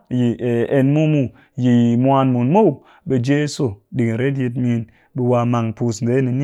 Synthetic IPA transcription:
ji˨e˧nmu˦mu˦ | ji˨jmʷ˦a˧nmu˨nmo˦w | ɓe˨˧d͡ʒe˦su˨ɗi˨ŋ˨ɾe˦t̬ji˧t̬mi˧˦n | ɓe˧wa˧ma˨ŋpu˧sn˨ze˨˦ni˨ni˦

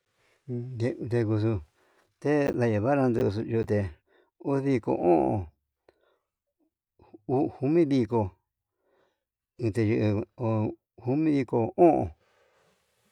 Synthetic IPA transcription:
e˧t̪e˧ku˧s̬u˧ | t̪e˦ða˧ja˨βa˦ɾã˧nd̪u˧u˧su˧ju˧t̪e˧ | u˦ði˧ko̰˧ʔõ̰˦ʔõ̰˧ | u˧˦hu˧mĩ˦βi˧ko˧ | ɨ̃˧t̪e˧ʒu˧ʔo˧ | hu˧˦mĩ˦βi˧ko˧õ˦ʔõ̰˧˨

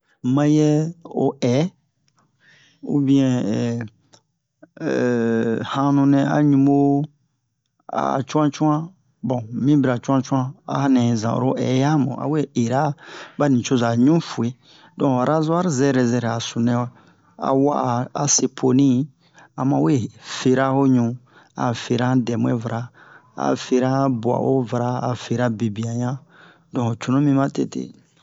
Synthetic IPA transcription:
mã˧jɛ˦o̰˨ʔɛ˨˦ | ṵ˦bĩ˦ɛ̃˨ɛ˨ | hã˦nũ˧nɛ̃˧a̰˦ɲũ˧mo˦ | a̰˨t͡ʃũ˦ã˦t͡ʃũ˦ã˦ | bɔ̃˨mĩ˦biɾa˨t͡ʃũ˦ã˦t͡ʃu˦ã˦a̰˦nɛ̃˨zã̰˨o̰˨ɾo˦ʔɛ̰˨˦ja˦mṵ̃˨a̰˨we˦˨e˨ɾa˦ba˦nĩ˨t͡ʃo˦za˨ɲũ˦fu˨e˦ | dɔ̃˨ɾa˦za˦ɾzɛ˦ɾɛ˨zɛ˧ɾa˨su˨nɛ̃˦wɛ˦ | a̰˨wa˦ʔa˨se˨pʰo˨nĩ˦ | a˨mã˨we˦˨fe˨ɾa˦ho˦ɲũ˨ | a̰˨fe˨ɾã˦dɛ˨mũ˦e˦va˨ɾa˨a̰˨fe˧ɾa˦bwa̰˨ʔo˦va˨ɾaː˦˨fe˨ɾa˦be˨bi˨ã˨ɲã˦ | dɔ̃˨t͡ʃu˨nũ˦mĩ˦mã˦tḛ˦˨tḛ˦˨

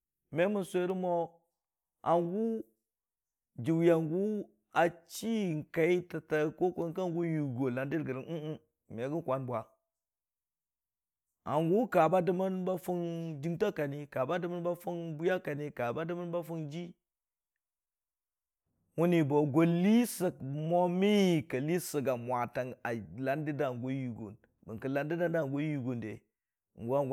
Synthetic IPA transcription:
me˦mu˦˨nsʷe˦ɾi˦mo˦ | a˨ŋɡu˦ | d͡ʒi˨wja˨ŋɡu˦ | a˨t͡ʃi˦˨ŋ˨ka˨i˦ta˨ta˨ko˦kʷo˦ka˦ŋɡu˦ju˨ɡo˨la˨ndi˦ɾɡə˨ɾi˨u˦u˦ | me˨˦ɡi˦kʷa˨˦nbwa˨ | a˨ŋɡu˦ka˨ba˦di˦ma˦nba˦fu˦ndi˦ŋta˦ka˨ni˦ka˨ba˦də˦ma˦nba˦fu˦nbu˦ja˦ka˨ni˦ka˨ba˦də˦ma˦nba˦fu˦nd͡ʒi˦ | wu˦ni˨bo˨ɡo˨li˦sə˨k̚mo˦mi˦i˨kə˨li˦sə˨ɡa˨mʷ˨a˨ta˨ŋa˨la˦ndi˦da˦˨ɡo˦ju˨ɡo̰˨n | bə˨ŋkə˨la˦ndi˦da˦n˦da˦˨ɡo˦ju˨ɡo˨ndḛ˨ | ŋɡo˦a˦˨ɡ

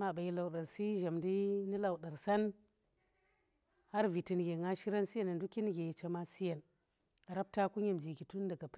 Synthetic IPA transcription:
ma˨ba˨ji˦la˨wɗa˨ɾsi˦ʒa˨mdi˦ni˦la˨wɗa˨ɾsa˦n | ha˦ɾvi˨ti˨n˨ɡʲe˨ŋa˦ʃi˦ɾa˦nsi˦je˨na˨ndu˦ki˦n˦ɡe˨ji˨t͡ʃa˦ma˦si˦je˨n | a˨ɾa˦p̚ta˦ku˦ɲe˨md͡ʒi˨ɡi˨tu˦nda˨ɡa˨p

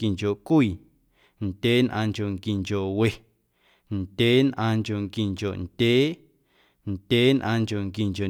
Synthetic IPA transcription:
ki˨ŋko˨kʷiː˨ | nd̥ʲeː˨˦nʔãː˧ŋko˨ŋki˨ŋko˨ʔwe˧˨ | nd̥ʲeː˦nʔãː˧ŋko˨ŋki˨ŋko˨ʔnd̥ʲeː˦ | nd̥ʲeː˦nʔãː˧ŋko˨ŋki˨ŋko˨

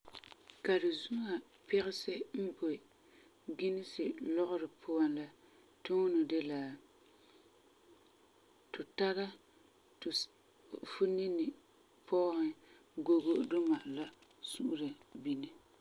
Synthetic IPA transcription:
ka˨dɪ˨zu˦ŋa˨ | pɛ˦ɣɪ˦sɪ˦m̩˦bo˨ | ɡɪ˦nɪ˦sɪ˨lɔ˦ɣʊ˦ɾɪ˨pʰʊ˦a˦la˦ | tʊ˦ŋ˦nʊ˨dɪ˦la˨ | tʊ˨ta˦ɾa˦ | t | fu˦ni˦nɪ˨ | pʰɔː˦hɪ˨ | ɡo˦ɡo˦dʊ˦ma˨ʔla˦su˦ʔu˦ɾa˨bi˦ni˨

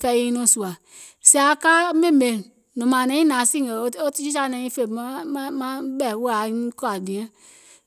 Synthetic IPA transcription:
fɛ˧˦i˧˦nũ˦˨su˨a˨ | si˦a˨˦kaː˦mẽ˦˨mẽ˨ | nɔ̃˨mã˨nɛ̃˨˦ĩ˦nã˨˦si˦˨e˨˦o˦ti˦d͡ʒi˦sa˧˦nɛ̃˨˦ĩ˦fe˦˨ma˦mã˦mã˦ɓɛ˦˨˦wu˦a˨˦ĩ˦kɔ˦a˨nĩ˨ɛ̃˦

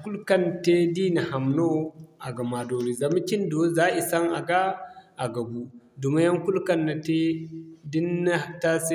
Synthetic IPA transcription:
ku˦lka˦n˨te˦di˦na˨ha˨mno˦a˨ɡa˨ma˨do˨ɾi˨za˨ma˦ki˦ndo˦za˦i˨sa˦ŋa˨ɡaː˦˨ɡa˨bu˦du˨ma˦ja˦ŋku˦lka˦nːa˨te˦di˦nːa˦˨ta˦se˦

